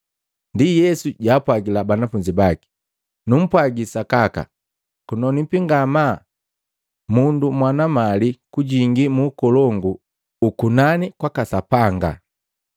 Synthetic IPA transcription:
ndijɛsuɟaːpwaɡilabanafuɲd͡ʒibaki̥ | num̩pwaɡisakaka̰ | kunɔnipiŋɡama | mundumwanamalikuɟiŋɡimuːkɔlɔŋɡuː | kunanikwakasapaŋɡa̰

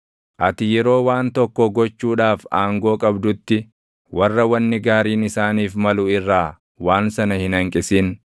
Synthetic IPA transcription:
ʔɐt̪ɪjɛɾo̞ːwaːnt̪ɔkːɔɡɔt͡ʃːuːᶑaːfaːŋɡo̞ːkʼɐbd̪ʊt̪ːɪ | wɐrːɐwɐnːɪɡaːɾiːnɪsaːniːfmɐlʊːɪrːaː | waːnsɐnɐhɪnɐŋkʼɪsiːn

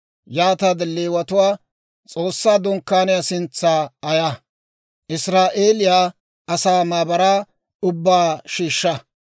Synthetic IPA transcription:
jaːt̪ɐd̪lːeːwɐt̪ʊwaː | t͡sʼo̞ːsːaːd̪ʊŋkːaːnɪjasɪnt͡sːaːɐjɐ | ʔɪsɾaːʔeːlɪjaː | ɐsaːmaːbɐɾaː | ʊbːaːʃiːʃːɐ

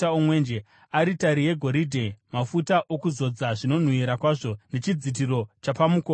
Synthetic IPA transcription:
aomwe̞nd͡ʒe | aɾitaɾije̞ɡʱo̞ɾidʱemafutaʔo̞kuzo̞d͡zaʐino̞n̤wuiɾakwaːʐo̞ne̞t͡ʃid͡zit̬iɾo̞t͡ʃapamukoː

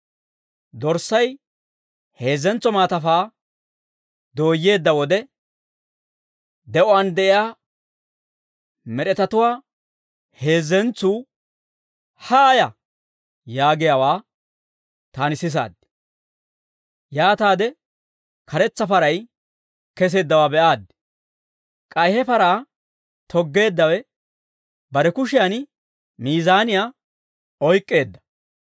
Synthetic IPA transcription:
d̪ɔɾsːɐj | he̞ːzːɛnt͡sːɔmaːt̪ɐfaː | d̪o̞ːjːe̞ːd̪ːɐwɔd̪ɛ | d̪ɛʔɔɐnd̪ɛʔɪjaː | mɛɗɛt̪ɐt̪ʊwaː | he̞ːzːɛnt͡sːuː | haːjɐ | jaːɡɪjawaː | t̪aːnɪsɪs̬a̰ːd̪ːɪ | jaːt̪aːd̪ɛ | kɐɾɛt͡sːɐfɐɾɐj | kɛs̬e̞ːd̪ːɐwaːbɛʔaːd̪ːɪ̥ | kʼɐjhɛfɐɾaː | t̪ɔɡːe̞ːd̪ːɐwɛ | bɐɾɛkʊʃɪjan | miːzaːnɪjaː | ɔjkʼːe̞ːd̪ːɐ̥

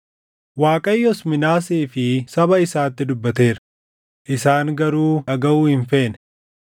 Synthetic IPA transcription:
waːkʼɐjːɔsmɪnaːseːfɪsɐbɐɪsaːt̪ːɪd̪ʊbːɐt̪e̞ːɾ | ʔɪsaːŋɡɐɾuːɐɡɐuːhɪɱfeːn

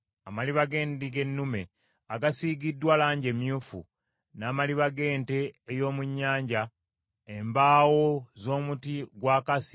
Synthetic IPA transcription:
amaliβaɡe̞ːndiɡe̞nːume̞ | aɡasiːɡidːwalaːɲɟe̞mjuːfṵ | naːmaliβaɡe̞ːnte̞ːjo̞ːmuɲːaːɲɟa | embaːwo̞zo̞ːmutiɡwaːkasi̥

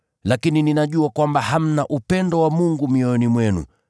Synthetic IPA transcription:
lakinininaʄuakwambaham̩naʔupɛndɔwamuŋɡumiɔɔnimwɛnṵ

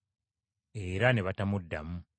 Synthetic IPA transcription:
e̞ːɾane̞βatamudːamu

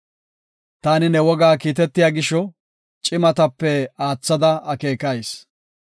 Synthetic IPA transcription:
t̪aːnɪnɛwɔɡaːkiːt̪ɛt̪ːɪjaːɡɪʃɔ | t͡ʃʼɪmɐt̪ɐpːɛaːt͡sːɐd̪ɐɐke̞ːkɐjs

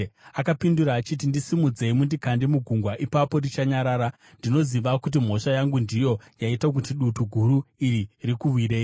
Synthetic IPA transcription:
akapinduɾaːt͡ʃit̬indisimud͡ze̞imundikandemuɡʱuŋɡwaʔipapo̞rit͡ʃaɲaɾaːɾa | ndino̞ziʋakut̬im̤o̞ʃajaŋɡundijo̞jaitak̬utiɗutuɡʱuɾuiɾirikuʋwiɾe̞ːji

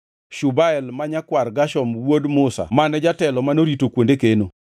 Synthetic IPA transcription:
ʃubaɛlmaɲakwarɡaʃɔmwodmʊsa̰manɛd͡ʒatɛlɔmanoɾitokwondekeno

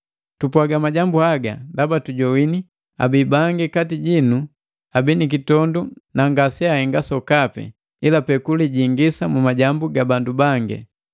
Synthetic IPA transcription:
tupwaɡamaɟambuaɡa̰dabatuɟɔwini | a̰bibaŋɡɛkatiɟinu | abinik̬itɔndunaŋɡasɛahɛŋɡasɔkapɛ̰ | ilapɛkuliɟiŋɡisamumaɟambuɡabandubaŋɡɛ̰

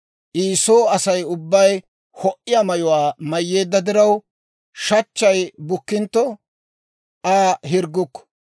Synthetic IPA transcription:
ʔiːsoːɐsɐjʊbːɐj | hɔʔɪjɐmɐjʊwaːmɐjːe̞ːd̪ːɐd̪ɪɾɐw | ʃɐt͡ʃːɐjbʊkːɪnt̪ːɔ | ʔaːɦɪɾɡːʊkːɔ̥

